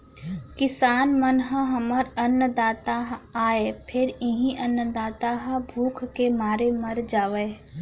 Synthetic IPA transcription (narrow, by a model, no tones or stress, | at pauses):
kɪsaːnmənɦəɦɐməɾɐnːəd̪aːt̪aɦaːepʰɪɾɪɦĩʔɐnːəd̪aːt̪aɦbʱuːkʰkemaːɾemɐɾd͡ʒaːʋəː